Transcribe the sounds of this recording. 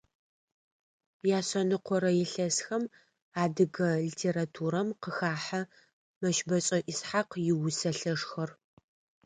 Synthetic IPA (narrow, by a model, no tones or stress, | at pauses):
jaːɕɐnɨqʷʰɔɾɐjɛɬɐsxɐm | aːdɨɣɐɮitʰeːɾatʰuːɾɐmqəxaːħa | mɐʃbɐɕʼɐʔɪsħaqjɪwʊsɐɬɐʂxɐr